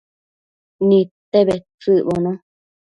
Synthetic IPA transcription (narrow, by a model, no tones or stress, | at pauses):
nĩt̪eβet͡sɨβonõ